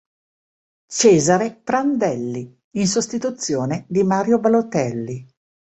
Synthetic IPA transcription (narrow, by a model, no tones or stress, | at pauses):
t͡ʃɛːzaɾepɾand̪ɛlːi | ins̬ost̪it̪ut̪sːjoːned̪imaːɾjobalot̪ɛlːi